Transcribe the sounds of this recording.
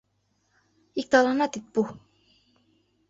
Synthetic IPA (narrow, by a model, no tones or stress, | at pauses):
ik̚t̪ɑlɑnɑt̪it̪̚bu